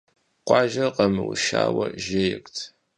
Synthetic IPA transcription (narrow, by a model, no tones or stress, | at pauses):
qʷɑːʒɐqɐmɨwʃaːwɐʒejɪkʷtʰ